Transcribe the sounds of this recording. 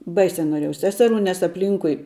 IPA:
ˈbɐɪsʲɛ noːˈrʲeːjɛʊ ˈsʲæːsʲɛˌruː nʲɛs ɐpʲˈlʲiːŋkʊɪ

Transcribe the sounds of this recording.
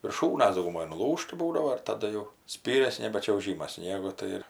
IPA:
ʋʲɪrˈʃuːnɐs dɐʊɡʊˈmoːj nʊˈlˠuːʃtɐ ˈbuːdɐʋoː ɪr tɐˈdɐ jɛʊ ˈsʲpʲiːrʲɛs ˈnʲæːbʲɛ t͡ʃʲɛʊˈʒʲiːmɐs ˈsʲnʲiɛɡʊ ˈtɐɪ ɪr

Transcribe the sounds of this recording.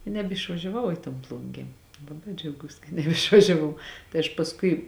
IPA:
ɪ nʲɛbʲɪʃʋɐʒʲɛˈʋɐʊ ɪ toːn ˈplˠʊŋʲɡʲeː ˈlˠɑːbɐɪ d͡ʒʲɛʊˈɡuːs kɐ nʲɛɪʃʋɐʒʲɛˈʋɐʊ tɐɪ ɐʃ pɐsˈkʊɪ

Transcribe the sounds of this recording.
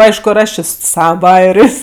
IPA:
ˈɐɪʃkʊ ɪr ˈɐʃ ˈt͡ʃʲeː sʊ ˈsɑːʋɐ ˈbɑːjɛrʲeːsʲ

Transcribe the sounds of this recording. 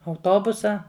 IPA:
ɐʊˈtoːbʊsɐ

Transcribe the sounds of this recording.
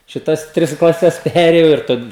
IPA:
ʃʲɪˈtɐs ˈtʲrʲɪs klˠɐˈsʲɛs ˈpʲæːrʲeːjɛʊ ɪr ˈtɐt

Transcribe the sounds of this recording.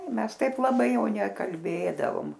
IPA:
ˈmʲɛs ˈtɐɪp lˠɐˈbɐɪ ˈjɛʊ nʲɛkɐlʲˈbʲeːdɐʋoːm

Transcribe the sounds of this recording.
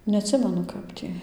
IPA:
nʲɛɐtʲˈsʲɪmʲɛnʊ ˈkɐp tʲiː

